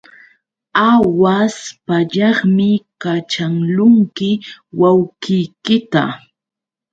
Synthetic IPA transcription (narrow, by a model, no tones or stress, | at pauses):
awaspaʎɑχmɪkat͡ʃaŋlʊŋkɪwawkɪjkɪt̪a̰